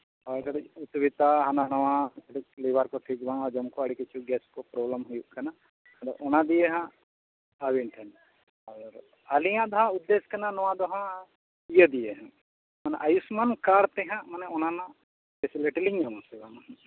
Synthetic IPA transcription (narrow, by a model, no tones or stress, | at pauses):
ɔkaɽiut̪bit̪aɦananɔwãɐʈik̚libaɾkɔʈ̪ʰid͡ʒbaŋad͡ʒɐmkɔɐɽikit͡ʃʰuɡɛskɔpɾɔbləmɦujuʔkana | d̪ɔʔɔnad̪ijɛɦã | awiɳʈʰɛn | aɾ | ɐlijãʔd̪ɔɦãud̪ːeskananɔwãd̪ɔɦã | ijəd̪ijɛɦã | mɐnɛ̰ʔɐjusmankaɾt̪ɛɦãmɐnɛɔnanã | pesiliʈiliɲamɔ̃sɛbaŋah